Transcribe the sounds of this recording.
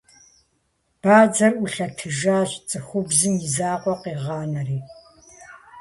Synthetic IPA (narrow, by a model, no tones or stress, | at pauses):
b̥aːd͡zɐrʔʊɬɐtʰɨʒaːɕt͡sʼɨxʷʊbzɨmjɪzaːqʷɔqiːʁɑːnɐriː